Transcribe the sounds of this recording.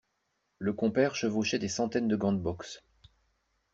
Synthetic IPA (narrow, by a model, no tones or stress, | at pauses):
ləkɔ̃pɛʁʃəvoʃɛd̪esɑ̃t̪ɛnd̪əɡɑ̃d̪̚bɔks